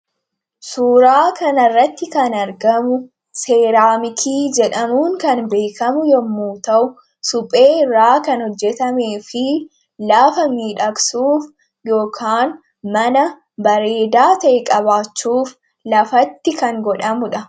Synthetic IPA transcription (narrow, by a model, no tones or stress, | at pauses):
suːɾaːkɐnɐrːɐt̪ːɪkɐnɐɾɡɐmʊ | se̞ːɾaːmɪkʰiːd͡ʒɛᶑɐmuːŋkɐnbe̞ːkɐmʊjɛmːuːt̪ɐʔʊ | sʊpʼe̞ːɪrːaːkɐnhɔd͡ʒːɛt̪ɐme̞ːfɪ | laːfɐmiːᶑɐksuːf | jo̞ːkʰaːn | mɐnɐ | bɐɾe̞ːd̪aːt̪ɐʔɛkʼɐβaːt͡ʃːuːf | lɐfɐt̪ːɪkɐŋɡɔᶑɐmʊᶑɐ